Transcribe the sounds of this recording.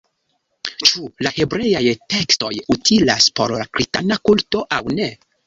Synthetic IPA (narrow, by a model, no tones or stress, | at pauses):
t͡ʃulahe̞bɾe̞jajte̞ksto̞̰jutʰilaspo̞ɾakɾista̰nakulto̞ʔawne̞